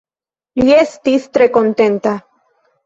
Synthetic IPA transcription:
liest̪ist̪ɾekont̪ent̪a

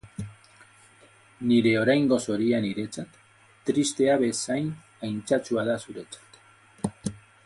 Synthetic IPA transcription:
niɾe̞o̞ɾajŋɡo̞so̞ɾianiɾe̞t͡sat̪ː | ɾist̪e̞aβe̞sajn | ajnt͡sat͡suaðasuɾe̞t͡sḁt̪

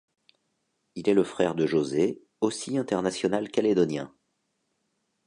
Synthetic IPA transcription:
ilɛləfχɛʁd̪əʒoze | osiɛ̃t̪ɛʁnasjɔnalkaled̪ɔnjɛ̃

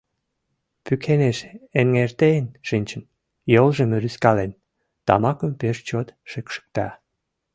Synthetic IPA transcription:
pykʰeneʃenŋert̪eənʃɨnʲt͡ɕə̆n | jolʒə̆məɾyskɑlen | t̪ɑ̰mɑkə̆mpeʃt͡ɕot̪ʃəkʃə̥k̚t̪ɑ̰

